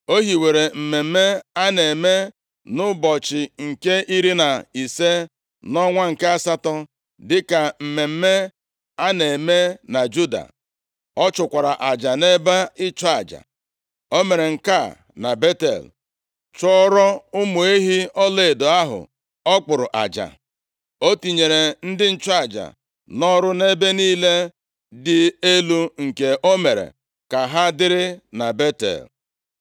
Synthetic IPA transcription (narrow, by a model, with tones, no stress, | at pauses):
o˦ɦi˨we˨ɾe˨m̩˨me˨m̩˦me˦a˦ne˨me˦ | nʊ˦bɔ˨t͡ʃɪ˨ŋ̩˨ke˦i˦ɾi˦na˨i˨se˦ | nɔ˦ŋʷa˦ŋ̩˨ke˦a˦sa˦tɔ˦ | dɪ˦ka˨m̩˨me˨m̩˦me˦ | a˦ne˨me˦na˨d͡ʒu˦da̰˨ | ɔ˦t͡ʃʊ˨kʷa˨ɾa˨ʔa˨d͡ʒa˨ne˦ba˦ɪ˦t͡ʃɔ˦a˨d͡ʒa̰˨ | o˦me˨ɾe˨ŋ̩˨ka˦˨ | na˨be˦tḛ˨l | t͡ʃɔ˦ɾɔ˦ʊ˦mʊ˨e˦ɦi˦ɔ˦le˦˨e˨do˨a˦ɦʊ̰˨ | ɔ˦k͡pʊ˨ɾʊ˨ʔa̰˨d͡ʒa̰˨ | o˦ti˨ɲe˨ɾe˨n̩˦dɪ˦n̩˦t͡ʃɔ˦a˨d͡ʒa̰˨ | nɔ˦ɾʊ˦ne˦be˦niː˦le˦ | dɪ˦˨e˦lu˦ŋ̩˨ke˨ʔo˦me˨ɾḛ˨ | ka˨ɦa˦dɪ˦ɾɪ˦na˨be˦tḛ˨l